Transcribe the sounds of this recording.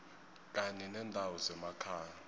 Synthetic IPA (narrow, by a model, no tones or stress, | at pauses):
k̬ʼaɲɛnɛndʱawɔzɛmakʰaː